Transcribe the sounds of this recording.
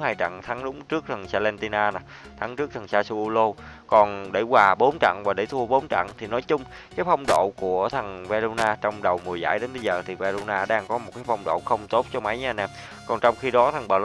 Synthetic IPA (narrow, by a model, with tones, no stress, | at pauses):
haː˧jt͡ɕa̰˧˨ŋt̪ʰa˨˦ŋɗʊ˨˦ŋ͡mt͡ɕɨ˦˥ək̚t̪ʰə˨˩ŋsaː˧lɛ˧nt̪i˧naː˧na˨˩ | t̪ʰa˨˦ŋt͡ɕɨ˦˥ək̚t̪ʰə˨˩ŋsaː˧su˧ʔu˧lo˧kɔ˨˩nɗḛ˧˩kwaː˨˩ɓo˨˦nt͡ɕa̰˧˨ŋvaː˨˩ɗe˧˩t̪ʰu˧əɓo˨˦nt͡ɕa̰˧˨ŋt̪ʰi˨˩nɔ˨˦jt͡ɕʊ˧ŋ͡m | kaː˨˦jfa˧wŋ͡mɗo̰˧˨ku˧˩ət̪ʰə˨˩ŋva˧lo˧naː˧t͡ɕɔ˧wŋ͡mɗə˨˩wmu˨˩za̰ː˧˩jɗe˨˦nɓə˧jzəː˨˩t̪ʰi˨˩va˧lo˧naː˧ɗaː˧ŋkɔ˨˦mo˨˩t̚kaː˨˦jfa˧wŋ͡mɗo̰˧˨xə˧wŋ͡mt̪o˦˥t̚t͡ɕɔ˧ma˨˦jɲaː˧˩naː˧˩m | kɔ˨˩nt͡ɕɔ˧wŋ͡mxi˧ɗɔ˨˦t̪ʰə˨˩ŋɓəː˨˩l